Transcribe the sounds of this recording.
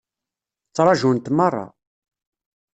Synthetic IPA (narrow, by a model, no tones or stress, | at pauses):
t͡sːɾˤɑʒunt̪mɑrˤːɑ̰